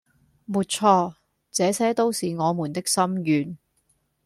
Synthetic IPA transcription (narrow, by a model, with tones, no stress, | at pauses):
muː˨˧t̚t͡sʰɔː˧ | t͡sɛː˨˥sɛː˥t̪o˥wsiː˨ŋɔː˨˧muː˨˩nt̪ɪ˥k̚sɐ˥mjyː˨n